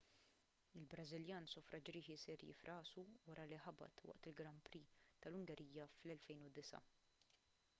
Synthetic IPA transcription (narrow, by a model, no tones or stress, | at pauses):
ɪlbɾɐzɪljɐːnsɔfɾʔɐd͡ʒɾiːħisɛɾjɪ̰fɾʔɐːsuwɐɾɐliħɐbɐ̰t̪wɐ̰ʔt̪ɪlɡɾɐmpɾiːt̪ɐlʊŋɡɛɾʔiːjːɐflɛlfɛjnʊd̪ɪsɐ̰